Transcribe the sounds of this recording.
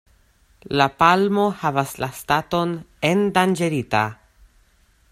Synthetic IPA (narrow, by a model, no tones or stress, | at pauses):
lapalmo̞havaslastato̞ne̞ndand͡ʒe̞ɾita̰